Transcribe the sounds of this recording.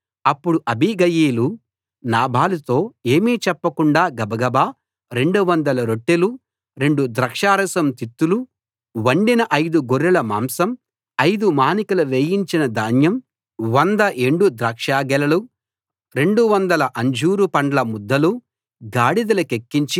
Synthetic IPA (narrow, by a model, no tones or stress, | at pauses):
ɐpːuɽuʔɐbʱiɡɐjiːlu | naːbʱaːlut̪o̞ːe̞ːmiːt͡ʃɛpːɐkuɳɖaːɡɐbɐɡɐbaː | ɾe̞ɳɖuʋɐnd̪ɐlɐɾoʈːelu | ɾe̞ɳɖud̪ɾɐkʂaːɾɐsɐmt̪it̪ːulu | ʋɐɳɖinɐʔɐjd̪uɡoɾːɛlɐma̰ːmsɐm | ɐjd̪umaːnikɐlɐʋeːjiɲt͡ʃinɐd̪aːnjɐm | ʋɐnd̪ɐʔeɳɖud̪ɾɐkʂaːɡɛlɐlu | ɾe̞ɳɖuʋɐnd̪ɐlɐʔɐɲd͡ʒuːɾupɐɳɖɐlɐmud̪ːɐlu | ɡaːɽid̪ɐlɐkekːiɲt͡ʃi